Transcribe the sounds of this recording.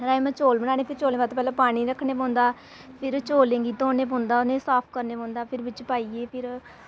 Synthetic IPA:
ɾaːemãːt͡ʃoːlbəɽ̃aːneːpʰɪɾt͡ʃoːlẽːbat̪pɛːlãːpaːɽ̃iːɾəkʰːɽeːpɔ̃ːnd̪aː | pʰɪɾt͡ʃoːlẽːŋɡiːt̪oːnẽːpõːnd̪aːʊnẽːsaːpʰkəɾneːpɔ̃ːnd̪aːpʰɪɾʋɪt͡ʃpaːiːeːpʰɪɾ

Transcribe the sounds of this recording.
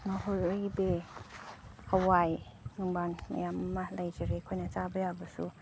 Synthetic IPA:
naɦojojbe | awajŋɯŋbaŋma̰jamɐmalajd͡ʒaɾekʰojnat͡ʃabɐjabɐsṵ

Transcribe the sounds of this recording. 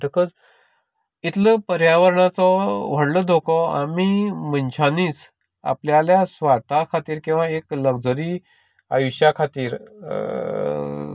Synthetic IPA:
ʈəkəd͡z | it̪ləpəɾjaʋəɾɳat͡sɔʋ̤əɽləd̪ʱokɔa̰mimənt͡ɕʰaniːt͡s | a̰pljaljasʋaɾt̪akʰat̪iːɾkĩw̃ʋaekləɡd͡zəɾi | a̰juɕjakʰat̪iːɾ

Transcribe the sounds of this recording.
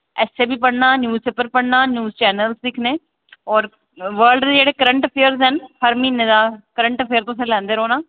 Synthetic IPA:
ɛːseːbʱiːpəɽnaːnjuːzpeːpəɾpəɽnaːnjuːzt͡ʃɛːnəlsd̪ɪkʰneː | ɔːɾ | ʋəːɾlɖd̪eːd͡ʒeːɽeːkəɾə̃ɳʈəpʰeːəɾzɦənpʰəɾmĩːnẽːd̪aːkəɾəɳʈəpʰeːəɾt̪ʊ̃sẽːlɛ̃ːnd̪eːɾoːnãː

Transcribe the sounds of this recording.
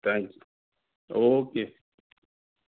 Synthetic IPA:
t̪ʰãŋkju | oke

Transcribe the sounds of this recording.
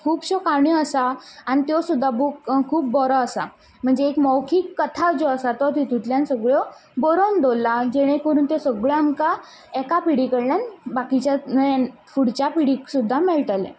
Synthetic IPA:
kʰuːpɕɔkaɳ̃iəsaːñit̪jɔsud̪ʱːabukkʰuːp̚bɔɾɔəsa | m̤əɳd͡zeːkmɔwkʰiːkːət̪ʰad͡zɔəsat̪ɔt̪it̪ut̪ljansəɡɭjɔ | bɔɾɔmd̪ʱolːad͡ʑeɽ̃ẽkəɾuːnt̪esəɡɭjamka | ɛkapiɽikəɽljanbakit͡ɕja | fuɽt͡ɕapiɽiksud̪ʱːameɭʈəlḛ

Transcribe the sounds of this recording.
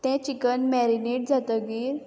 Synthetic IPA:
t̪ɛ̃t͡ɕikənmɛɾineʈ̚d͡zat̪əɡiːɾ

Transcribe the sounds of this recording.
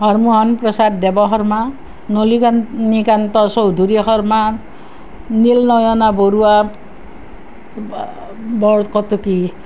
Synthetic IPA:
ɦɔɾmuɦɔnprɔsad̚dɛbɔɦɔɾma | nolikanikant̪ɔsowd̪ʱuɾixɔɾma | nilnɔjɔnaboɾua | bɔɹkɔt̪uki

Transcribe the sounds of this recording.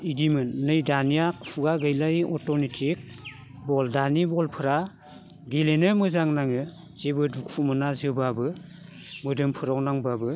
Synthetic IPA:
idimɯnːɯjdanijakpʰuɡaɡɯjlajɔtonitʰik̚ | bɔldanibɔlpʰɯɾa | ɡelenɯmɯzaŋnaŋɯ | z̥ebɯdukʰumɯnazɯbabɯ | mɯdɯmpʰɯɾawnaŋbabɯ

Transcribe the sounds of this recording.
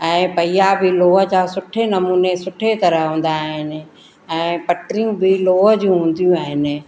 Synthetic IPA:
ɛ̃ːpɐijabɪloːɦəd͡ʑaːsʊʈʰenɐmuːnesʊʈʰet̪ɐɾəɦɦũːn̆d̪aɦɪnɪ̆ | ɛ̃ːpɐʈɾijũbʱɪloːɦəd͡ʑũɦũːn̆d̪ijũaːɦɪnɪ̆

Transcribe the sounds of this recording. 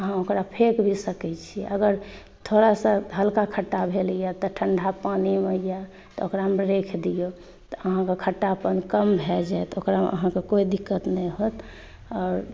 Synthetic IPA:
əɦãokɾapʰekbʱisəkɛt͡ʃʰḭʔəɡəɾ | t̪ʰoɾasə̃ɦəlkakʰəʈːabʱelijat̪ɔʈʰəɳɖʱapaniməja | t̪ɔokɾamɾekʰd̪ijo | t̪ɔəɦãkekʰəʈːapənkəmbʱed͡ʒajt̪okɾaʔə̰ɦãkekoid̪ikːət̪nɛɦot̪ | ɔːɾ

